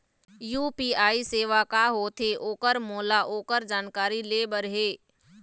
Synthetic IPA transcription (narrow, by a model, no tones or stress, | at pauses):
juːpiːaːiseːʋakaɦoːt̪ʰeʔoːkəɾmoːlaʔoːkəɾd͡ʒaːnkaːɾileːɓəɾɦeː